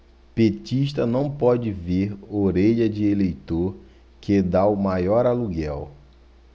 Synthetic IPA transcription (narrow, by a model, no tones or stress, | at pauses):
pet͡ʃiʃt̪ɐnɐ̃w̃pɔd͡ʒɪveɾoɾeʎɐd͡ʒɪelejt̪oɾ | ked̪aʊmajɔɾaluɡɛw